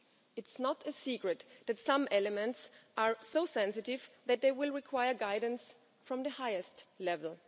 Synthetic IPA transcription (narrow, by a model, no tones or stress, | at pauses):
ɨtsnətɨsikɹɨtðætsãmɛlɨmɛ̃ntsʔaɹsoʊsɛ̃nsɨtɪvðæt̪̚ðeɪwɪlˠɹɪkʰw̥aɪə˞ɡaɪdⁿn̩s | fɹʌ̃mðɨhaɪɨstlɛvl̩ˠ